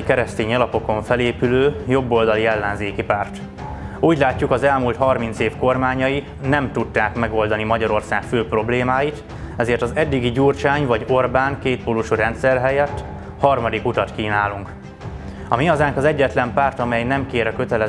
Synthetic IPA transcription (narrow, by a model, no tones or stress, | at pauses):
ikɛɾɛst̪eːɲɒlɒpo̞ko̞ɱfɛleːpyløːjo̞bːo̞ld̪ɒliɛlːɛnzeːkipaːrt̪ | uːɟlaːcːukɒzɛlmult̪hɒrmint̪seːfko̞rmaːɲɒji | nɛmt̪ud̪ːaːkmɛɡo̞ld̪ɒnimɒɟɒɾo̞rsaːkføːpro̞bleːmaːjit̪ | ɛzeːrt̪ɒzɛd̪ːiɡiɟuːrt͡ʃaːɲvɒɟo̞rbaːŋkeːt̪̚polːuʃuɾɛnt̪sɛrɦɛjɛt̪ː | hɒrmɒd̪ikut̪ɒt̪kiːnaːluŋk | ɒ̰miɒzaːŋkɒzɛɟːɛt̪lɛmpaːrt̪ɒmɛjnɛmkeːɾɛkøt̪ɛlɛ